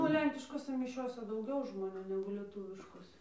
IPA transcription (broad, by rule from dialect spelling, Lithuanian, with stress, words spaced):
ˈnʊ oː ˈlʲɛŋʲkʲɪʃkoːsʲɛ mʲɪˈʃʲoːsʲɛ dɐʊˈɡʲɛʊ ʒmoːˈnʲuː nʲɛɡʊ lʲiɛˈtuːʋʲɪʃkoːsʲɛ